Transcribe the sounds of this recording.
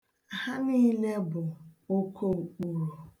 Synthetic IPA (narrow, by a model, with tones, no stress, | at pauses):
a˨ha˦ni˦le˦bʊ˨o˦kʰo˦ŋ͡m̩˨k͡pu˨ɾu˨